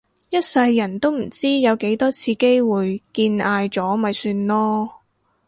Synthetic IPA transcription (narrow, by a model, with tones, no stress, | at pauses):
jɐ˥t̚sɐ˧jːɐ˨˩nt̪o˥wm̩˨˩t͡siː˥jɐ˨˧wke˨˥jt̪ɔː˥t͡sʰiː˧ke˥jwuː˨jkiː˧naː˧jt͡sɔː˨˥mɐ˨jsyː˧nlɔː˥